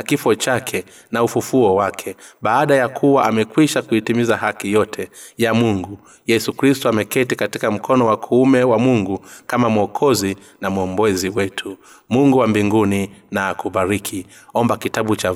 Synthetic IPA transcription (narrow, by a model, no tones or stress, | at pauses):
kifɔt͡ʃakʰɛ | naufufuɔwakʰɛɓaːɗajakʰuwaʔamɛkwiʃakuitimizaɦakijɔtʰɛjamuŋɡu | jɛsukɾistuamɛkɛtikatikam̩kʰɔnɔwakʰuumɛwamuŋɡukamamɔkʰɔzi | namuɔmbɔziwɛtʰu | muŋɡuwambiŋɡuninaːkuɓaɾikʰi | ɔmbakitaɓut͡ʃa